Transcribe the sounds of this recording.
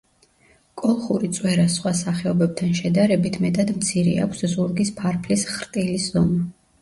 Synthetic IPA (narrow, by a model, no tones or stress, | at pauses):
kʼɔlˠχuɾit̪sʼwɛɾasχwasaχɛɔbɛb̚t̪ʰanʃɛd̪aɾɛbit̪ʰmɛt̪ʼad̪mt̪sʰiɾḭa̰kʷʰszuɾɡispʰaɾpʰlisχɾt̪ʼiliszɔma